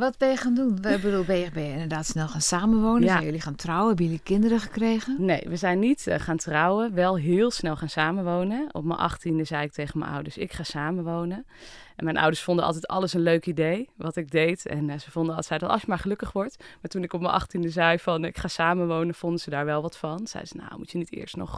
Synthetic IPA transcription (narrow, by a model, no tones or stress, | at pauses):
ʋɔtbɛjəxaːndunʋɛbədulˠbɛjəbɛjəɪndədaːtsnɛlˠxaːnsaːməʋownəsɛjølixaːntrawəɛbəjølikɪndəɾəxəkreːɣənejʋəzɛjnːitχaːntrawəʋɛlˠɦɪːlˠsnɛlˠχaːnsaːməʋownənɔ̰pmə̰nʔɑ̰χtindəzɛjɪk̚tʰejχənmə̰na̰wdəsɪ̰kχaːsaːməʋownə | ɛnmɛjnʔʌ̰wdəɹsfɔndəɑ̰lˠtɛjtɑ̰lˠəsənløɥkidejʋɑtɪɡ̚dejtɛ̰nsəvɔndəsɛjdɑtɑ̰sjəmaːɹχəlɵkəχʋɔɹtmaːɹtunɪkɔpmənʔɑ̰χtindəzɛjfɑnɪkχaːsaːmənʋownənv̥ɔndəzədaːɹʋɛlˠʋɑtfɑnsɛ̰jzəna̰wmutjənitɪ̰ːɹstnɔ̰χ